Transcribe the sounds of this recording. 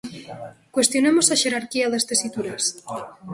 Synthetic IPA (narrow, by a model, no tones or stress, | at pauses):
kwest̪jonemosaʃeɾaɾkiaðest̪esit̪uɾes